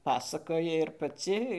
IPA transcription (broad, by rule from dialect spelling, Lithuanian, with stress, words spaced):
ˈpɑːsɐkoːjɪ ɪr pɐˈt͡sʲɪ